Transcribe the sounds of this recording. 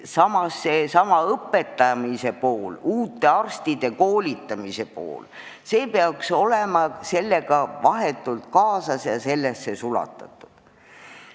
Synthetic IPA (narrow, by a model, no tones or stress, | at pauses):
sɑmɑsːesɑmɑɤpːe̞t̪ːˑɑmise̞po̞ːluːt̪ːˑe̞ɑrst̪id̪̥e̞ko̞ːlit̪ːˑɑmise̞po̞̰ːl | se̞ːpeɑkso̞lemɑse̞lːe̞ɡ̥ɑvɑɦet̪ːˑult̪kɑːsɑsjɑse̞lːesːe̞sulɑ̰t̪ːˑɑ̰t̪ːˑu̥d̪̥